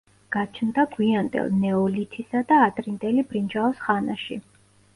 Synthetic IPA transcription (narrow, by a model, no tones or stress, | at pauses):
ɡ̥at͡ʃʰnd̪aɡwiand̪ɛ̰lˠnɛɔlit̪ʰisad̪aːt̪ʼɾind̪ʼɛlibɾind͡ʒaɔsχana̰ʃḭ